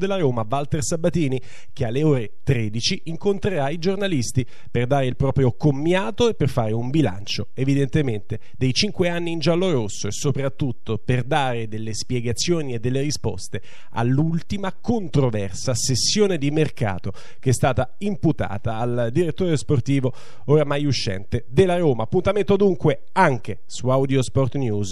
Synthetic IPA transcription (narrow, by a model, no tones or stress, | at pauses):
d̪elːaɾoːmavalt̪ersabat̪iːni | k̟ealːeoːɾet̪ɾed̪it͡ʃiiŋkont̪ɾeɾaid͡ʒornalist̪i | perd̪aːɾeilpɾɔːpɾjokomːjaːt̪oepːerfaːɾeumbila̰nt͡ʃoevid̪ent̪ement̪e | d̪ejt͡ʃiŋkweanːiːnd͡ʒalːoɾosːoesopɾat̪ːut̪ʰːoperd̪aːɾed̪elːespjɛɡat̪sːjoːnied̪ːelːeɾispɔ̰st̪e | a̰lːult̪imakont̪ɾovɛrsasesːjoːned̪imerka̰ːt̪o | keɛst̪aːt̪a | imput̪a̰ːt̪aːld̪iɾet̪ːoːɾesport̪iːvo | oɾamajuʃːɛ̰nt̪ed̪elːaɾoːmaːpːunt̪ament̪od̪uŋkwe | aŋk̟e | suawd̪jospɔrt̪njuːz